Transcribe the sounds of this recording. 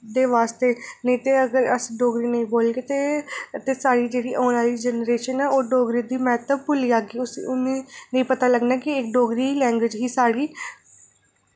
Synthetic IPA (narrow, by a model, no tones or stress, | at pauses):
d̪eːʋaːst̪eːnəĩːt̪eːəɡəɾəsɖoːɡɾiːnəĩːboːlɡeːt̪eːt̪eːsaːɽiːd͡ʒeːɽiːʔɔ̃ːnaːliːd͡ʒənɾeːʃənɛːoːɖoːɡɾiːd̪iːmɛːt̪əb̚pʊliːaːɡiːʊsʊnẽːnəĩːpət̪aːləɡnaːkɪɪkɖoːɡɾiːlɛ̃ːŋɡwʋɪd͡ʒɦiːsaːɽiː